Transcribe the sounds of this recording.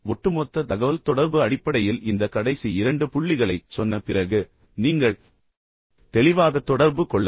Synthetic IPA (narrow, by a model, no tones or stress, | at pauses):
ʋɔʈːɯmɔːt̪ːɐt̪ɐɣɐʋɐlt̪ɔɽɐɾbɯɐɽɪpːɐɽɐjɪlɪnd̪ɐkɐɽɐɪsiɪɾɐɳɖɯpʊɭːɪɣɐɭɐɪsɔnːɐpɪrɐɣɯ | niːŋɡɐɭ | t̪ɛlɪʋaːðɐt̪ːɔɽɐɾbɯkɔɭːɐ